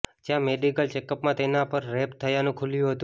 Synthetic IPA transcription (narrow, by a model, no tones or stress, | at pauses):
d͡ʒjãmeɖikəlt͡ʃekəpmãt̪enapəɾːɛpt̪ʰːəjanũkʰuljũɦət̪ũ